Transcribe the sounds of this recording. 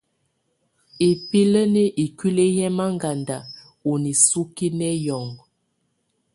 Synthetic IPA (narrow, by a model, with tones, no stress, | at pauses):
e˨pi˦lə˦ne˦ʔi˨kwi˦le˦jɛ˦ma˦ŋɡa˨nda˨ | o˨ni˨su˦ki˦nɛ˦jɔ˨ŋɡ